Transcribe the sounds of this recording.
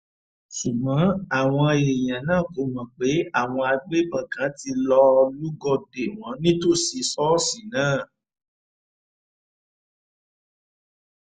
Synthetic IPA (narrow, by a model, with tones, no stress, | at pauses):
su˨ɡ͡bã˨˦a˦˨w̃ɔ̃˧je˨j̃ã˨nãː˦˨ko˨˦mã˨k͡pe˨˦a˦˨w̃ɔ̃˧a˧ɡ͡be˦bã˨kã˨˦ti˧lɔ˧lu˦ɡɔ˧de˨w̃ɔ̃˨˦nĩ˦to˦˨si˧sɔ˦si˨nãː˦˨